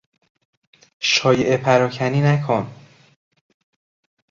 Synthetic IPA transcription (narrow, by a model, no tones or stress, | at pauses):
ʃɒːjeʔepʰæɾɒːcʰæniːnækʰon